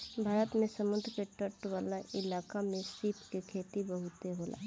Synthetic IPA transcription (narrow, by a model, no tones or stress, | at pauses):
bʱaːɾət̪mẽsəmʊd̪ʱɾkeʈəʈʋaːlaʔɪlaːkamẽsiːpkekʰeːt̪ibəɦut̪eɦoːla̰ː